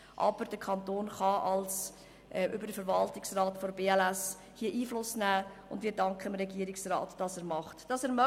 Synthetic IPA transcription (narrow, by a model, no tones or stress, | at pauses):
ʔɑ̰b̥əɾd̥əkʰɑntoːnχɑʔɑls | ʔɛʔʏbəɾdəfəɾvɑltɪksrɑːtfoɾbeːɛlæs | hiːəʔiːflʊsnæːʊndviːɾdɑŋkχəmɾɛɡiəɾɪksrɑ̰ːtd̥ɑsɛːɾmɑχtd̥ɑsɛːɾmœ